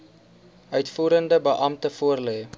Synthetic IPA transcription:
œɥtfuːɾəndəbəʔɐmtəfuərlɛː

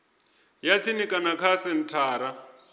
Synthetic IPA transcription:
jat͡sʰinikʼanakʰasɛn̩tʰaːɾa

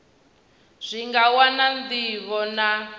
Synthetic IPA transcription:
z̥ʷiŋɡawanand̪iβɔna

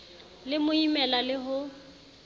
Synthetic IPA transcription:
lɪmʊimɛlalɪɦʊ

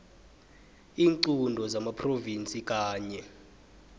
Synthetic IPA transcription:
iːŋǀundʱɔzamapʰrovint͡sʼik̬ʼaːɲɛ

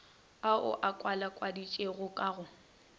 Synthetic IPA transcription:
aʊ̰ʔakʼwalakʼwadit͡ʃʼeɣʊkʼaɣʊ

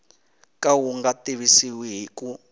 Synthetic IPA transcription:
kʼawuŋɡatiβisiwiɦiku

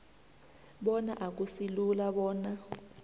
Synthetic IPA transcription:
ɓɔnaʔak̬usilulaɓɔːna

